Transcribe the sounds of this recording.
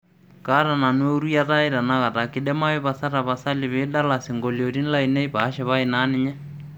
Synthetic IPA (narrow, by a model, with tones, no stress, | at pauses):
ka˦ɾa˨na˨n˦e˦u˦ɾu˦ja˦ta˦i˦ɾa˨na˦ka˨ta˨kɪ˦dɛ˦ma˦ɛ˦βa˨sa˦ɾa˨βa˨sa˦lɪ˨βɪ˦da˦la˨sɪ˨ŋɡo˨ljo˨ti˦n˦la˦ine˦iba˨˦ʃɛ˨βa˦i˨na˦nɪ˦ɲɛ˦